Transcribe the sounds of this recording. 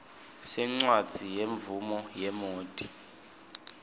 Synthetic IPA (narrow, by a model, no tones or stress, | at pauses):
sɛŋ͡ǀwad̥d͡z̥ʱijeɱvumɔjɛmoːd̥ʼʱi